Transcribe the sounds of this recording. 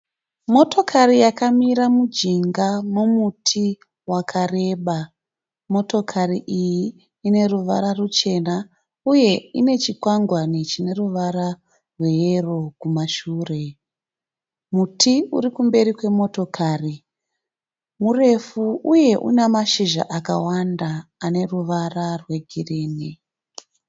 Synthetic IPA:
mo̞to̞kʰarijakamiɾamud͡ʒiŋɡamomutʰi | wakʰare̞ːɓa | mo̞to̞kʰariʔijiː | ne̞ruʋaɾarut͡ʃe̞na | uje̞ine̞t͡ʃikwaŋɡwanit͡ʃine̞ruʋaɾa | rwe̞jero̞kumaʃuːre̞ | mutʰiuɾikumbe̞ɾikwe̞mo̞to̞kʰaːri | mure̞fuuje̞ʔṵnemaʃiʒa̰ʔaka̰wandaːne̞ruʋararwe̞ɡʱireːni

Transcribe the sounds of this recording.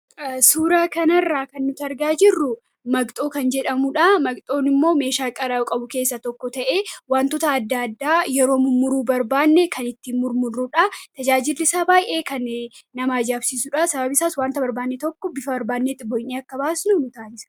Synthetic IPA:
suːɾaːkɐnɐrːaːkɐnːʊt̪ɐɾɡaːd͡ʒɪrːʊ | mɐɡt̪ʼoːkɐnd͡ʒɛᶑɐmuᶑaːmɐɡt̪ʼo̞ːnɪmːo̞ːme̞ːʃaːkʼɐɾɐkʼɐbʊke̞ːsːɐt̪ɔkːɔt̪ɐʔeːwaːnt̪ʊt̪aːd̪ːaɐd̪ːaːjɛɾo̞ːmʊmʊɾuːbɐɾbaːnːɛkʰɐnɪt̪ːimːʊɾmʊrːʊᶑat̪ɐd͡ʒaːd͡ʒɪlːɪsaːbaːjʔeːkɐnnɐmaːd͡ʒaːbsiːsuᶑaːsɐbɐbɪsaːswaːnt̪ɐbɐɾbaːnːɛt̪ɔkːɔbɪfɐbɐɾbaːd̪nːet̪ːɪbɔjniɐkːɐbaːsnʊnʊt̪aːnɪsɐ̥

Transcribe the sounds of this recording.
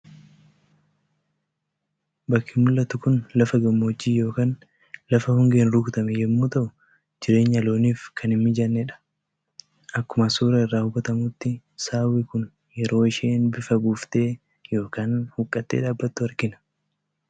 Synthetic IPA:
bɐkʰːɪmʊlːɐt̪ʊkʊnlɐfɐɡɐmːɐd͡ʒːiːjo̞ːkaːn | lɐfɐhʊŋɡeːnɾuːkt̪ɐmɛjɛmːuːt̪ɐʔʊ | d͡ʒɪɾe̞ːɲːɐlo̞ːniːfkʰɐnɪmmɪd͡ʒɐnːɛᶑɐ̥ | ʔɐkːʊmɐsuːɾɐɪrːaːhʊbɐt̪ɐmʊt̪ːɪ | saːwɪkʊn | jɛɾo̞ːɪʃeːnbɪfɐɡuːft̪e̞ː | jo̞ːkaːnhʊkʼːɐt̪ːeːᶑaːbːɐt̪ːʊɐɾkɪnɐ̥

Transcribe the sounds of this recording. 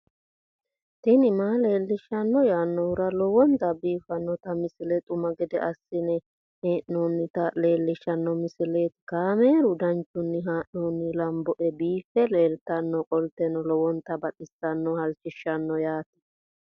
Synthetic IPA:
t̪ɪnɪmaːle̞ːlːɪʃɐnːɔjaːnːɔwʊɾɐlɔwɔnt̪ɐbiːfɐnːɔt̪ɐmɪsɪlɛt̪ʼʊmɐɡɛd̪ɛʔɐsːɪnɛ | heːʔnuːnːɪt̪ɐle̞ːlːɪʃːɐnːɔmɪsɪlet̪kaːmeːɾʊd̪ɐnt͡ʃːʊnːɪɦaːʔuːnːɪlɐmbɔʔɛbiːfːɛleːlt̪ɐnːɔkʼɔlt̪ɛnɔlɔwɔnt̪ɐbɐᶑɪsːɐnːɔhɐlt͡ʃːɪʃɐnːɔjaːt̪ɪ̥

